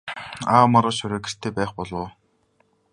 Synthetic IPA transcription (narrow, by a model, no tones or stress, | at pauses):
aːmaɾə̆ːʃʊɾĕːkĕ̥r̥t̪ʰeːpæːχpɔɮʊː